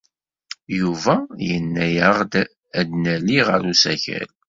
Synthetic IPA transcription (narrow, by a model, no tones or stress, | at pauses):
juvæjənːæjəʁd̪ | æd̪nælːiʁəɾusæçæ̰l